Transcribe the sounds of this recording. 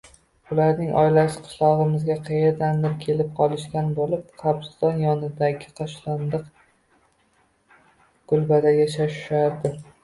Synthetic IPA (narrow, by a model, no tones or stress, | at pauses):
ʊlaɾnɪŋʔɒ̰jlaʃɪ̥qʰɨ̥ʃlˠɒʁɨmɪzɡʲaqʰɨjeɾd̪and̪ɪɾkʲʰe̞lɪp̚qʰɒlˠɪʃt̪ʲanbolɪp̚qʰɑbst̪ɒnjɒnɪd̪aɡʲɪqʰɒʃlˠand̪ɨq | ɡ̥ʊlˠbad̪ajaʃaʃɪ̥ʃaɾd̪ɪ